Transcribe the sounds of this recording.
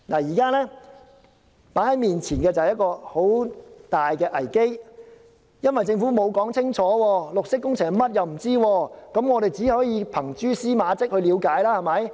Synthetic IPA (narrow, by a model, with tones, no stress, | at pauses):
naː˨˩jiː˨˩kaː˥lɛː˥ | paː˨˥hɐ˨˦jmiː˨nt͡sʰiː˨˩nkɛː˧t͡sɐ˨whɛ˨jɐ˥tkɔː˧ho˨˥wt̪aː˨jkɛː˧ʔɐ˨˩jke˥j | jɐ˥nwɐ˨jt͡sɪ˧ŋfuː˨˥mo˨˧wkɔː˨˥ŋt͡sʰɪ˥ŋt͡ʃʰɔː˨˥wɔː˧lʊ˨k̚sɪ˥kːʊ˥ŋt͡sʰɪ˨˩ŋmɐ˥t̚jɐ˨wm̩˨˩t͡siː˥wɔː˧kɐ˨˥mŋɔː˨˧ɾe˨jt͡siː˨˥hɔː˨˥jiː˨˧pʰɐ˨˩ŋt͡ʃyː˥siː˥maː˨˧t͡sɪ˥k̚hɵ˧ɥliː˨˧wkaː˨˥jlaː˥hɐ˨mɐ˨˥j